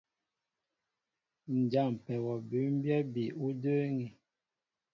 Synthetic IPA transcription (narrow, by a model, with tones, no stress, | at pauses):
n̩˨d͡ʒa˦˨m˨pɛ˨wɔ˨bʉ˨˦m̩˦bjɛ˦bi˨u˦də˦ŋi˨